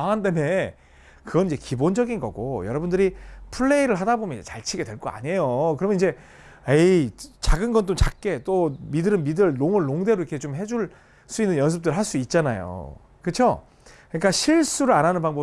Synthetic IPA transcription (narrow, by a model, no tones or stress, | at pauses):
aŋandeme | kɯɡʌnid͡ʑe̞kibond͡ʑʌɡinɡʌɡo̰jʌɾʌbundɯɾipʰuɭːeiɾɯɭɦadabomjʌnid͡ʑḛt͡ɕaɭt͡ɕʰiɡe̞dweɭk͈oa̰ɲe̞jokɯɾʌmʌniɲd͡ʑe̞ | et͡ɕaɡɯnɡʌnt͈omt͡ɕak̚k͈e̞t͈omidɯɾɯnmidɯɭnoŋɯɭːoŋde̞ɾoikʰet͡ɕomɦe̞d͡ʑuɭ | s͈uinːɯnjʌns̬ʰɯp̚t͈ɯɾɯɭɦaɭs͈uit̚t͡ɕ͈ana̰jo̰ | kɯt͡ɕʰjo | kɯɲik͈aɕʰiɭs͈uɾɯɭaɾanɯnpaŋbʌ